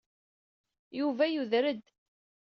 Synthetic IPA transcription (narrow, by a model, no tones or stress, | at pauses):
juvæjuðɾəd̪